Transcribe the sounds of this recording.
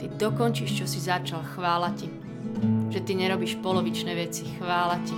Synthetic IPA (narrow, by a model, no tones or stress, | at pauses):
t̪id̪ɔkɔnt͡ʃiʃt͡ʃɔsizat͡ʃalxʋaːlaci | ʒ̥ɛt̪iɲɛɾɔbiːʃpɔlɔʋit͡ʃnɛːʋɛt͡sixʋaːlaci